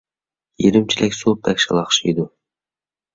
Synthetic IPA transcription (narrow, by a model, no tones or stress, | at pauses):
jeɾɪmt͡ʃʰilʔɛkʲsop̚ɛkʲʃɑlˠɑχʃijd̪u